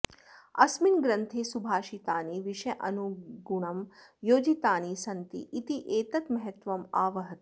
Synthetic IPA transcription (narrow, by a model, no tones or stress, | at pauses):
ɐ̰sminɡɾɐnt̪ʰesubʱaːʃit̪aːniʋiʂɐjʔɐnuɡuɳɐmjoːd͡ʒit̪aːnisɐnt̪ḭʔːt̪iʔeːt̪ɐt̪mɐɦɐt̪ʋɐmaːʋɐɦɐt̪i